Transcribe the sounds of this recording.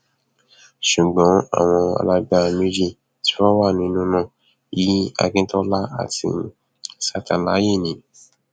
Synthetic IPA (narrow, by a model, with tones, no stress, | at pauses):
ʃu˨ɡ͡bɔ̃˨˦a̰˦˨w̃ɔ̃˧a̰˧la˧ɡ͡ba˧me˦d͡ʒi˦˨ | ti̥˦fɔ˦wa˦˨nĩ˧nũ˧˦nã˦˨ | ji˨˦a̰˧ɡĩ˧˦tɔ˦la˦a̰˨tḭ˧˦ | sa˦tã˨la˨˦je˦˨nĩ˨˦